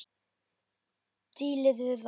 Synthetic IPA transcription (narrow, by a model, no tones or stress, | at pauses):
t̪iːlɪðvɪð